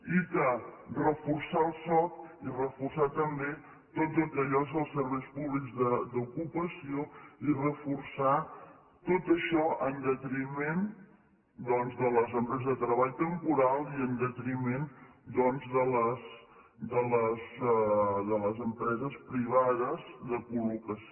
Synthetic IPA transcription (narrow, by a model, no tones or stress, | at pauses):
ikərəfursaəlˠsɔk̪irəfursat̪əmbe | t̪ozəlˠkəʎɔezəlˠsːəɾβɛjspuβlikzðəd̪ukupəsioirəfursa | t̪ot̪əʃɔənd̪ət̪ɾimen | d̪ɔnzðələzəmpɾɛzəzðət̪ɾəβaʎt̪əmpuɾalˠiənd̪ət̪ɾimen | d̪ɔnzðələsd̪ələz | ðələzəmpɾɛzəspɾiβ̞aðəzðəkulukəs